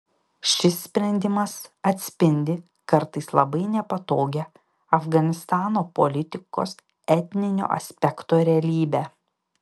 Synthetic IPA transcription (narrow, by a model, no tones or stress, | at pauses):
ʃʲɪsːʲpʲɾʲɛnʲd̪ʲɪmɐsɐt̪ʲsʲpʲɪnʲd̪ʲɪ | kɐɾt̪ɐɪslˠɐbɐɪnʲɛpɐt̪oːɡʲɛ | ɐfɡɐnʲɪst̪ɑːnoːpolʲɪt̪ʲɪko̰ːs | ɛt̪ʲnʲɪnʲo̰ːʔɐ̰sʲpʲɛkt̪oːɾʲɛɐlʲiːbʲæː